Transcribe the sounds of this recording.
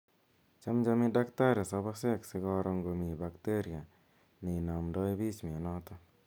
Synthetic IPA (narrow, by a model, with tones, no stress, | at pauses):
t͡ʃamd͡ʒami˦da˦kta˦ɾa˨saβasɛ˦ksɪ˦ɡɔ˦ɾɔ˧ŋɡomi˨bakteɾja˨ | ne˨na˨mdɔ˦jbi˦t͡ʃmi˨a˨nɔt̪ɔ